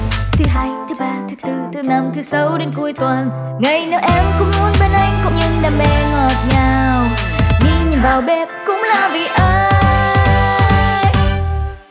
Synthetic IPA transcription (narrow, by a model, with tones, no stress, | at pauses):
t̪ʰɨ˨˦ɦaː˧jt̪ʰɨ˨˦ɓaː˧t̪ʰɨ˨˦t̪ɨ˧˩t̪ɨ˧˩na˧mt̪ʰɨ˨˦sə˨˦wɗe˨˧nku˧əjt̪wə˨˩n | ŋa˨˩jne˨˧˦wʔɛ˧mkʊ̰˧˥ŋ͡mmu˨˦ənɓe˧˩nʔa˧jŋ̟kʊ̰˧˥ŋ͡mɲɨ˧ŋɗaː˨˩mɓɛ˧˩ŋɔ˨˩t̚ɲaː˨˩wŋi˧ɲɨ˨˩nɓaː˨˩wɓɛ˧p̚kʊ̰˧˥ŋ͡mlaː˧˨˩vḭ˨˩ʔəː˧˦ | j